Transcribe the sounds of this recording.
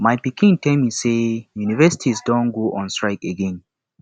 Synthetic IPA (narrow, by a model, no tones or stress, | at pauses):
majpikĩntʰɛlmisejunivɛsi̥tʰizdɔ̃nɡoʔɔ̃nstɹaɪkeɡɛ̃n